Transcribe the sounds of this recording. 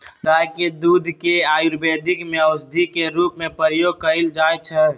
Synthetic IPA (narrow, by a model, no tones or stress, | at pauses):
ɾaːked̪uːd̪ʱkeaːjuɾbeːd̪ʱɪkmẽəʊsd̪ʱikeɾuːpmẽpəɾjoːɡ̚kəild͡ʒaːjt͡ʃʰɛ